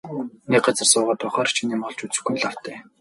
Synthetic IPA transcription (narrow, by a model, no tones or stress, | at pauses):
nek̚ɢat͡sə̆rsʊːʁəːt̪ʊχaːrt͡ɕʰiniːmɔɮt͡ɕut͡sɘ̆xɡunɮaw̥t̪ʰæː